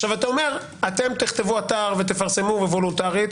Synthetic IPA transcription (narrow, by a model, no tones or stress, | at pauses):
ʃavat̪aome̞ʁ | at̪e̞mt̪iχt̪e̞vuat̪aʁvet̪̬efaʁse̞muvevo̞lunt̪aʁit̪